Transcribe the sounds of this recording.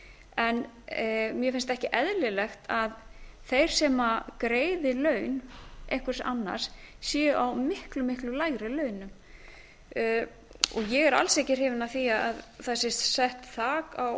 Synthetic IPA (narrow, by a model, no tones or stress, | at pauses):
ɛn | mjɛfɪnst̪ɛhcɪʔɛðlɪlɛxt̪ʰaðθejɾ̥sɛmakɾeːjðɪlœːɥnʔḛhkʏɾ̥sa̰nːa̰ɾ̥ssjɛːʔawmɪhklʏmɪhklʏlajɣɾɪlœːɥnʏm | ɔɣjɛɣɛɾa̰lsɛjcɪr̥hɪːvɪnaθiaaðθasɪssɛht̪θaːkaw